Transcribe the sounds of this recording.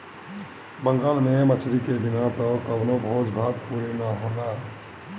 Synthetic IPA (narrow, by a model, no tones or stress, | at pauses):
bəŋɡaːlmemət͡ʃʰɾikebinat̪ɔkəbnobʱod͡ʒbʱad̪puɾenaɦod̪a